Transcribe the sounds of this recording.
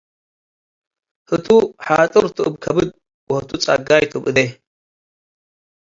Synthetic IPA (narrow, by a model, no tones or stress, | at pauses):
hɨt̪ʰuħaːt̪ʼɨɾt̪ʰɨɨbkʰɐbɨd̪̚ | wɔhɨt̪ʰut͡sʼa̰ɡajt̪ʰobɨd̪e